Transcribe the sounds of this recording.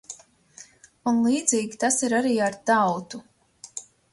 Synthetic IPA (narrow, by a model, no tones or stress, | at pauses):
unlˠiːd̪ziːɡʲit̪asiɾaɾiːaɾt̪awt̪u